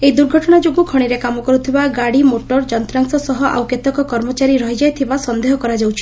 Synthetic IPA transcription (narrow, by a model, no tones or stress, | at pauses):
ejd̪uɾɡʱɔʈɔɽ̃ad͡ʒoɡukʰɔɽ̃iɾekamɔkɔɾut̪ʰibaɡaɽimoʈɔɾd͡ʒɔnt̪ɾaŋsɔsɔɦɔʔa̰wkjet̪ɔkɔkɔɾmɔt͡ʃaɾiɾɔɦid͡ʒajt̪ʰibasɔnd̪eɦɔkɔɾad͡ʒawt͡ʃʰi̥